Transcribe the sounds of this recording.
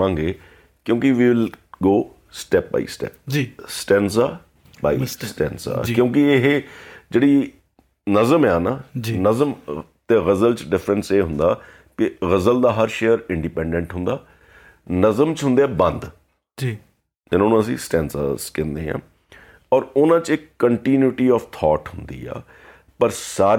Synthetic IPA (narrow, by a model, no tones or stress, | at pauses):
ãːŋɡeː | kjõːkɪʋiːʋɪlɡoː | sʈɛːp̚ba̰ːḭsʈɛ̰ːp̚d͡ʒsʈɛːns̬aː | baːisʈɛːnsa̰ːd͡ʒkjõːkɪɪɦd͡ʒeːɽiː | nəzəmɛːnaːd͡ʒinəzəmt̪eːɣəzəlt͡ʃɖɪfʰɾənseːɦʊnd̪aː | kɪɣəzəld̪aːɦəɾʃeːjəɾɪ̃ɳɖipɛ̃ːɳɖə̃ɳʈɦʊnd̪aː | nəzəmt͡ʃɦʊ̃nd̪eːɛːbə̃nd̪ | d͡ʒi | ɪnãːnũːəs̬ĩːsʈɛ̃ːnsa̰ːskɛ̃ːnd̪eːɦã̰ː | ɔːɾʊnãːt͡ʃɪkːəɳʈiːnjuʈiːɔːft̪ʰɔːʈɦʊnd̪ḭːɛ̰ː | pəɾsaː